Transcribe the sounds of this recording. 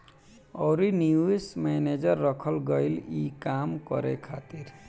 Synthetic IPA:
ɔwɾinuesmɛned͡ʒʌɾːɔkʰɔlɡɔjlikamkɔ̰ɾekʰat̪iɾ

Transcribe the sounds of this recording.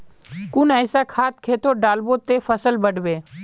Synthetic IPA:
kʊnɛːsakʰaːt̪kʰeːt̪oɖaːlbot̪efʰəsəlbəɖ̤beː

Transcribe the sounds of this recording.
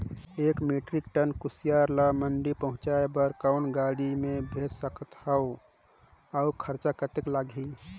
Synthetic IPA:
ekmeʈɾik̚ʈənkusijaɾlaməɳɖipəɦʊ̃t͡ʃaebəɾkəʊnɡaɽimẽbʱed͡ʒsəkət̪həo | aukʰəɾt͡ʃakət̪eklaːɡʱi

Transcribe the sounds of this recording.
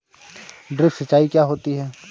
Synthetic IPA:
ɖɾɪpsɐt͡ʃaːikjaɦoːt̪iɦɛː

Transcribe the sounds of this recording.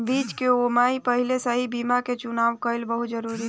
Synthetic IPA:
bid͡ʒkeomaipəɦilesəɦibimaket͡ʃunaʋkəɪlbəɦut̪d͡ʒəɾuɾi

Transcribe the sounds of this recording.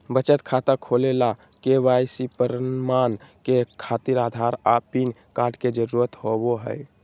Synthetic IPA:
bət͡ʃət̪kʰat̪akʰolelakeʋajsipəɾəmankekʰat̪iɾad̪ʱaɾapinkaʈked͡ʒəɾuɾət̪ɦoboɦə̰j

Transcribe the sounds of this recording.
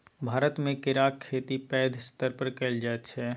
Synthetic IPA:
bʱaːɾət̪mẽkɪɾaːkkʰːeːt̪ipɛːd̪ʱɪst̪əɾpəɾkɛld͡ʒaːt̪t͡ʃʰɛ

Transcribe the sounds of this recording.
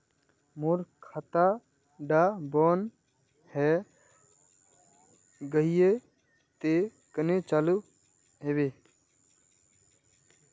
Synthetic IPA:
muɾkʰət̪a | ɖaːbɔːn | hɛ | ɡəɦije | t̪e | kənet͡ʃalu | ɦebe

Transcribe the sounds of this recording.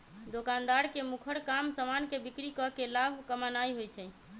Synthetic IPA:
d̪okand̪aɾkemukʰəɽkamsəmankebikɾikɔkelabʱkəmanajɦojt͡ʃʰɛ

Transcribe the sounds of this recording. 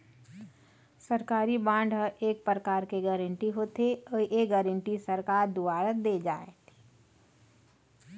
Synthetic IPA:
səɾkaːɾibãːɳɖʱɦəʔeːk̚pɾɾəkaːɾkeɡɛːɾə̃ɳʈiɦoːt̪eoːjeɡɛɾəɳʈisəɾkaːɾd̪uaːɾəd̪ed͡ʒaːet̪ː

